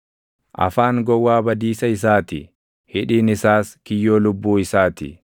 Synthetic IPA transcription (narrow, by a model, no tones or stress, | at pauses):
ʔɐ̰faːŋɡɔwːaːbɐd̪iːsɐɪsaːt̪ɪ | hɪᶑiːnɪsaːskɪjːoːlʊbːuːɪsaːt̪ɪ̰